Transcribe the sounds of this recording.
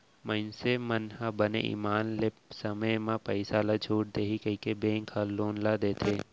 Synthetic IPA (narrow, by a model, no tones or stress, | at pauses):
məɪnsemənhabənḛʔḭːmaːnlepsəməjmãpəɪsaːlad͡ʒʱuːʈ̚d̪eːɦikəikebẽːŋkhaloːnlad̪eːt̪ʰeː